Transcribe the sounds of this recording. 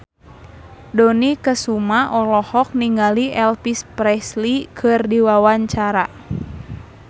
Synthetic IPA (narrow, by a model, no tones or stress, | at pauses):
dɔnikəsumaʔɔlɔhɔk̚niŋɡaliʔɛlfispɾɛslikʰɨrdiwawaɲt͡ʃaɾa